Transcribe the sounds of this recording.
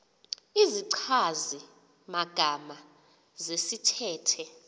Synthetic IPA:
iziǀʰazi | maɡ̥ʱama | zesitʰɛːtʰɛ

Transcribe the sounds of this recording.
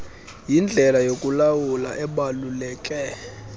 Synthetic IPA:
jind͡ɮʱɛlajokʼulawula̰ʔɛɓalulɛːkʼɛ

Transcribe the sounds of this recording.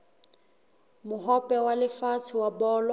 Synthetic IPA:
mʊɦɔpʼɛwalɪfat͡sʰɪwabɔːlwa

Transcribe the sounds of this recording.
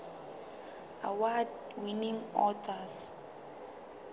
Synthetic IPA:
a̰wad | winĩŋɔtʰas

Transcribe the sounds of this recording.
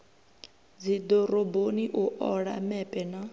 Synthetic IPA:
d͡zid̪ɔɾoboniʔuʔɔɺa̰mɛpʼɛna

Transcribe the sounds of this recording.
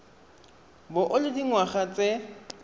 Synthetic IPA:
bʊʔʊlɪdiŋwaχat͡sʼe

